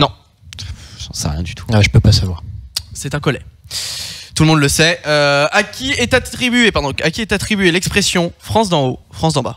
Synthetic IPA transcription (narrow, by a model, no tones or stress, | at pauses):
nɔ̃ | sɑ̃sɛ̰ʁjɛ̃d̪yt̪ʰu̥ʒəpøpasavwaʁsɛt̪ɛ̃kɔlɛ̰ | t̪uləmɔ̃d̪ləsɛøakʲʰiɛt̪at̪χibyepaʁd̪ɔ̃kakʲiɛt̪at̪χibɥelɛkspχesjɔ̃fχɑ̃s̬d̪ɑ̃ofχɑ̃sd̪ɑ̃ba̰